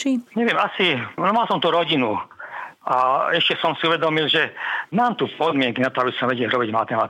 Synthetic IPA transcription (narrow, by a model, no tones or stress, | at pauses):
t͡ʃiɲɛʋɪɛmasinɔmalsɔmt̪uɾɔɟinu | ʔaɛʃcɛsɔmsiuʋɛd̪ɔmilʒɛmaːmt̪upɔd̪mɪɛŋkinat̪ɔabisɔmʋɛɟɛlɾɔbiɟmat̪ɛma